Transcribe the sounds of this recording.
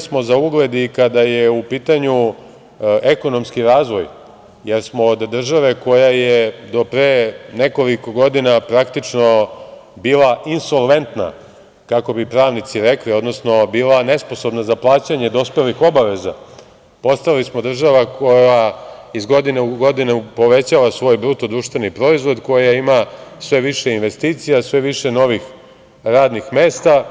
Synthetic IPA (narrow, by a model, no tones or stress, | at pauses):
smo̞zauɡle̞d̪ikad̪ajeupiːt̪aɲu | eko̞no̞mskiɾaːzʋo̞j | je̞ɾsmoːd̪d̪r̩ʒaʋe̞ko̞jajed̪o̞pɾeːne̞ko̞liko̞ɡo̞d̪inapɾakt̪it͡ʂno̞biːlˠaʔinso̞lˠʋe̞nt̪na̰ | kako̞bipɾaːʋnit̪siɾeklio̞d̪no̞sno̞biːlane̞sposo̞bnazaplˠaːt͡ɕaɲe̞d̪o̞spe̞lixo̞baʋe̞za̰ | po̞st̪ailismo̞d̪r̩ʒaʋakʰo̞jaizɡo̞d̪ineuɡo̞d̪inepo̞ʋe̞t͡ɕaʋasʋo̞ːjbɾut̪od̪ɾuːʃt̪ʋe̞nipɾo̞izʋo̞d̪ko̞jaimasʋe̞ʋiʃe̞inʋe̞st̪iːt̪sijasʋe̞ʋiʃeno̞ʋix | ɾaːd̪nixmeːst̪a